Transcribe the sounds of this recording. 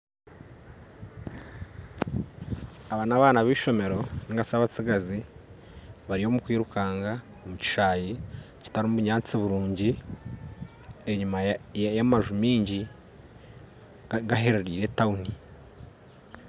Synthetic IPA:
aβaːnaβaːnaβiːʃo̞me̞ɾo̞niŋɡasaβat͡siɡazi | βaɾio̞mukwiːɾukaːŋɡa | omuci̥ʃaːji | ci̥taɾimuβuɲaːt͡siβuɾuːɲɟi | eɲumajamaʒumiːɲɟi | ɡaɦe̞ɾeɾiːɾe̞tauni

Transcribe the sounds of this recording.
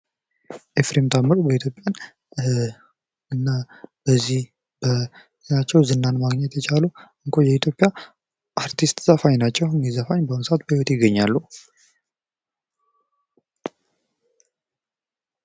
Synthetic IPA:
ʔefɾemt̪ʰamɨɾobəit̪ʰjo̞pʼjan | ɨnːa | b̥əzːih | bə | nat͡ʃːɛwzɨnːanmaɡɲɛt̪ʰɛt͡ʃʰaluɨŋkʷʰojɛit̪ʰjo̞pʼːja | ʔaɾt̪ʰist̪z̥əfaɲnat͡ʃːɛhɨnɡizəfaɲbənsat̪̚bəhiwɔt̪jɪɡːəɲːalːu

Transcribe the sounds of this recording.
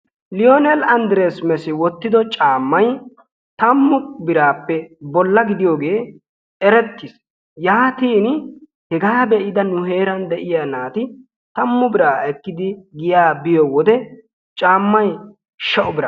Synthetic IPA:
lɪjonɛlɐnd̪ɾeːsmɛsɪwɔt̪ːɪd̪ɔt͡ʃʼaːmːɐj | t̪ɐmːʊbɪɾaːpːɛbɔlːɐɡɪd̪ɪjoːɡe̞ː | ɛɾɛt̪ːɪs | jaːt̪iːn | hɛɡaːbɛʔɪd̪ɐnʊɦe̞ːɾɐnd̪ɛʔɪjanaːt̪ɪ | t̪ɐmːʊbɪɾaːɛkːɪd̪ɪɡɪjaːbɪjɔwɔd̪ɛ | t͡ʃʼaːmːɐj | ʃɐʔʊbɪɾa̰

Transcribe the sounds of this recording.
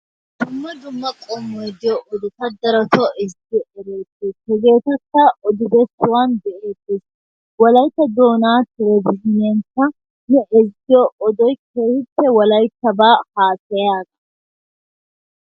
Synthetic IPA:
d̪̥ʊmːɐd̪ʊmːɐkʼɔmːɔjd̪ɪjɔʔɔd̪ɪt̪ɐd̪ɐɾɐt̪ɔʔɛzdɪjɔɛɾeːt̪ːesɛɡe̞ːt̪ɐkːɐʔɔd̪ɪbɛsːʊwaːnd̪ɛʔe̞ːt̪ːes | wɐlɐjt̪ːɐd̪o̞ːnaːt̪ɪɾɛbɪhɪneːŋkːɐ | nɛʔɛzɪjɔʔɔd̪ɔjke̞ːhɪtːɛwɐlɐjt̪ːɐbaːhaːsɛjaːɡɐ

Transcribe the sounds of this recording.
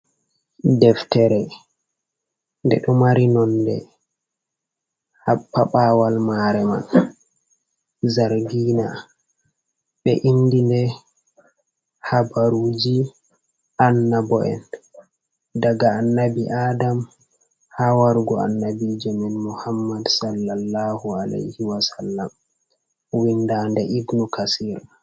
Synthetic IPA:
dɛftɛɾɛ | ndɛ̰ɗɔmaɾinɔnːdɛ̰ | hapːaɓawalmaɾɛma̰n | zaɾɡiːna | ɓɛ̰ʔindindɛ | habaɾud͡ʒi | ʔanːabɔʔɛ̰n | daɡaːnːabiʔaːdam | hawaɾɡɔa̰nːabid͡ʒɔmɛnmuhamːadsalːalːahualḛjhiwasalːam | windaːndɛʔiɡnukasiːɾa

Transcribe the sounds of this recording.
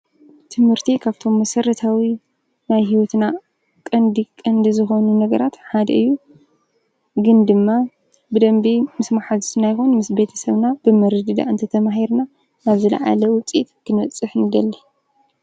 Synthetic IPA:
t̪ʰɨmhɨɾt̪ʰikʰaβt̪ʰo̞mːɐsɐɾɐt̪ʰawi | najɦiwɔt̪na | kʼɐnd̪ikʼɐnd̪izɨxonunɐɡɐɾat̪ħad̪ɐɨjːu | ɡɨnd̪ɨmːa | bɨd̪ɐmbimɨsmaħazsɨnajxonmɨsbe̞t̪ʰɐsɐβnab̥ɨmɨɾɨd̪ɨd̪a̰ʔɨnt̪ʰɐt̪ʰɐmaɦiɾna | naβzɨla̰ʕa̰lɐwʊt͡sʼit̪kʰɨnɐt͡sʼːɨħnɨd̪ɐlːi

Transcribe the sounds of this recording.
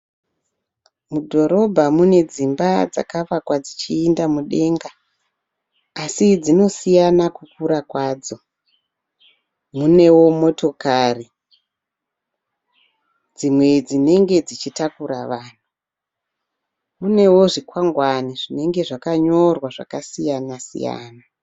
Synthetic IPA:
mudʱo̞ɾo̞bʱamune̞d͡zimbad͡za̰kaʋakwad͡zit͡ʃiːndamuɗe̞ŋɡa | sid͡zino̞sijanakukuɾakwaːd͡zo̞ | mune̞wo̞mo̞to̞kaːri | d͡zimwe̞d͡zine̞ŋɡe̞d͡zit͡ʃitakuɾaʋaːn̤u | mune̞wo̞ʐikwaŋɡwaniʐine̞ŋɡe̞ʐakaɲo̞rwaʐa̰kasijanasḭja̰ːna

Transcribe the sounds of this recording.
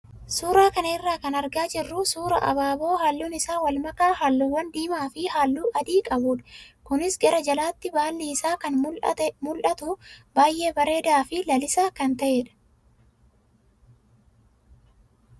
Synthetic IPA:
suːɾaːkɐnɐɪrːaːkɐnɐɾɡaːd͡ʒɪrːusuːɾɐ̰ʔɐ̰baːbo̞ːɦaːlːuːnɪsaːwɐlmɐkaːɦaːlːuːwːɐnd̪iːmaːfɪhaːlːuːʔɐd̪iːkʼɐbuːᶑɐ̥kʊnɪsɡɐɾɐd͡ʒɐlaːt̪ːɪbaːlːiɪsaːkɐnmmʊlʔɐt̪ʊbaːjʔe̞ːbɐɾe̞ːd̪aːfɪlɐlɪsaːkɐnt̪ɐʔeːᶑɐ̥

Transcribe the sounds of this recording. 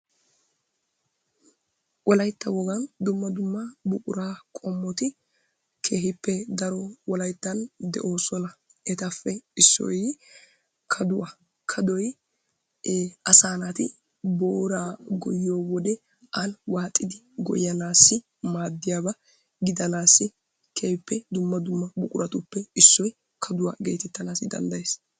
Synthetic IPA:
ʔɔlɐjt̪ːɐwɔɡɐnd̪ʊmːɐd̪ʊmːɐbʊkʼʊɾaːkʼɔmːɔt̪ɪ | kʰe̞ːhɪpːɛd̪ɐɾɔwɔlɐjt̪ːɐnd̪ɛ̰ʔo̞ːsɔnɐ | ʔɛt̪ɐfːɛɪsːɔ̰j | kʰɐd̪ʊwɐ | kʰɐd̪ɔj | ɐsaːnat̪ɪ | boːɾaːɡɔjːo̞ːwɔd̪ɛ | ʔɐnwaːt̪ʼːɪd̪ɪ | ɡɔ̰jɐnaːsːɪ | maːd̪ːɪjaːbɐ | ɡɪd̪ɐnaːsːɪ | keːhɪpːɛd̪ʊmːɐd̪ʊmːɐbʊkʼʊɾʔɐt̪ʊpːɛɪsːɔj | kʰɐd̪ʊwa̰ɡe̞̰ːt̪ɛt̪ːɐnaːsɪd̪ɐ̰nd̪ɐjeːs

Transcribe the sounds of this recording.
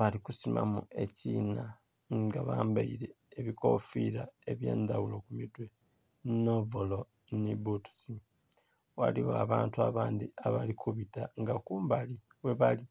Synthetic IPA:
βalikusimʔa̰mue̞ciːna | ŋɡaβaːmbaiɾe̞ːβiko̞fiɾaeβje̞̰ːnd̪awulo̞kumitwe | novolo̞ | nibutu̥si | wa̰liwoaβaːntuaβaːnd̪iaβalikuβitaŋɡakuːmbali | we̞βali

